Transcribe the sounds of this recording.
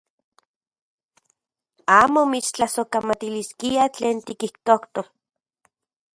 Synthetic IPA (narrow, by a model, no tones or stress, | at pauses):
aːmomit͡ʃt͡ɬasokamat̪iliskiat͡ɬeːnt̪ikiht̪okt̪o